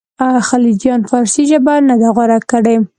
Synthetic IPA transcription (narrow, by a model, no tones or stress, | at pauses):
axalid͡ʒjɑnfɑɾsiʒəbanad̪aɣaɾakːaɽej